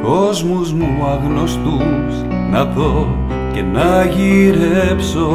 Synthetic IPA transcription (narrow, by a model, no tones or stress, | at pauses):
ko̞zmuzmu | ɐɣno̞st̪us | nɐpo | ce̞nɐʝiɾepso